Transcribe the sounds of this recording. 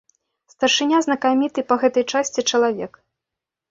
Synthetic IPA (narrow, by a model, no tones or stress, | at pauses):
st̪ɐrʂɨnʲaznɐkamʲit̪ɨpɐɣɛt̪ɐjt͡ʂasʲt͡sʲit͡ʂɐlˠavʲɛk